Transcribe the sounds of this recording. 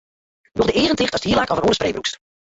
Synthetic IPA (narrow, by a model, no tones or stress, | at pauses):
dɔχdəɪːrəntɪχtɔsdhiːəlakɔvənonəspreːbruks